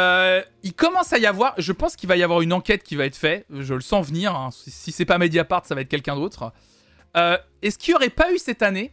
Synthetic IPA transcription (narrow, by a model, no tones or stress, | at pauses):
øilkɔmɑ̃sajavwaʁʒəpɑ̃skʲilvajavwaʁynɑ̃kʲɛt̪̚kʲivaɛt̪χfɛʒələsɑ̃vniʁɛ̃sisisɛpamed̪japaʁt̪savaɛt̪χkʲɛlkʲɛ̃d̪ot̪χ | ø | ɛskʲilɔʁɛpaysɛt̪ane